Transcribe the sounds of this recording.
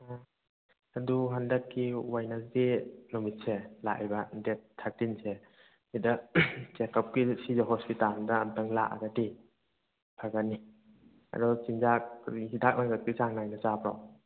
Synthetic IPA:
a | aduɦandakːiwajnasdinumit̚selaʔa̰jbandetʰːak̚tinse | hidɐt͡ʃekʰap̚kisizaɦɔspitalndaːmtaŋlaʔa̰ɡadi | pʰaɡanːi | a̰dɔt͡ʃinzak̚ɾihidak̚ʔaŋɡat̚kit͡ʃaŋnajnazabɾɔ̰

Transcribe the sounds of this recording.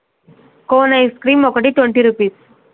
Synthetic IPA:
konajskɾiːmːɔkʈiːʈwəɳʈiːɾupiːs

